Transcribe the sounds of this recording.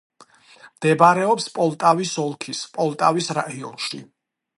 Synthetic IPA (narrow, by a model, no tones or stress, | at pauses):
md̪̥ɛbaɾɛɔpspʼɔlˠt̪ʼavisɔlˠkʰispʼɔlˠt̪ʼavisɾaiɔnʃi